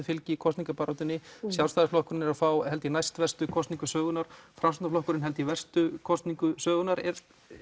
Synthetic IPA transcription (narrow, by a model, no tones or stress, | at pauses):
ɪfɪlcɪikʰɔst̪niŋkapaːɾat̪ʏnːɪsjawlst̪aːðɪsflɔhkʏɾɪnɛɾaðfaːwhɛlt̪ɪinajst̪vɛr̥st̪ʏkʰɔst̪niŋkʏsœːɣʏnaɾ̥fɾamsnaflɔhkʏɾɪnɦɛlt̪ɪivɛr̥st̪ʏkʰɔst̪niŋkʏsœːɣʏnaɾɛɾ